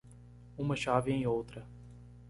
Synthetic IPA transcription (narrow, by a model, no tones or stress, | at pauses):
ũmɐʃavɪẽj̃owt̪ɾɐ